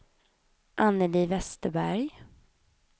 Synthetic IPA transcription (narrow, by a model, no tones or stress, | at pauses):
ʔanːəliːvɛst̪əbæɾj